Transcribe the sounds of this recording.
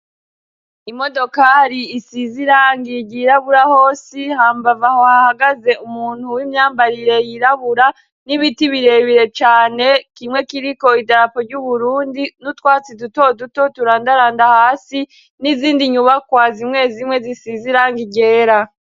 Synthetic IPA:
imo̞do̞kaɾiːsiziɾaːŋɡiɟiɾaβuɾaho̞ːsihaːmbavaho̞hahaɡaze̞ʔumuːn̥huwimɲaːmbaɾiɾe̞jiɾaβuɾa | niβitiβiɾe̞βiɾe̞t͡ʃaːne̞kimŋe̞kiɾiko̞idaɾapoɾɟuβuɾuːndinutwaːt͡siduto̞duto̞tuɾaːndaɾaːndahaːsi | niziːndiɲuβakwaːzimŋe̞ːzimŋe̞zisiziɾaːŋɡiɟe̞ːɾa

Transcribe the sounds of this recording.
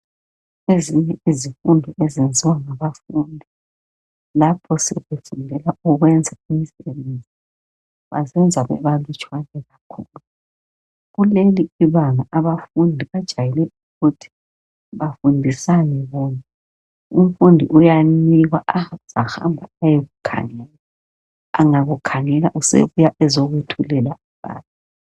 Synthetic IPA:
eziɲɛizifundʱɔʔɛzend͡zʱiwaŋaβafundʱi | lapʰɔsɛβefundʱɛlaɔɣwɛnd͡zʱaimisɛβend͡zʱi | βa̰zɛnd͡zʱaβɛ̰βalut͡ʃʼwanɛɣakʰuːlu | ɣuleliiβaŋaʔaβafundʱiβad̥ʒ̥ʱajɛlɛuɣutʰi̥ | βafundʱisanɛβɔna | um̩fundʱiʔujaniɣwaʔaz̥axa̰mbʱaajeɣukʰa̰ŋɛla | aŋaɣukʰaŋɛlaʔusḛβujaʔɛzoɣutʰulɛlaiβa̰ːna

